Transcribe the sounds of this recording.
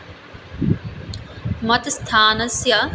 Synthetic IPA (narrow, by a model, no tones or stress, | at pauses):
mɐt̪st̪ʰaːnɐsja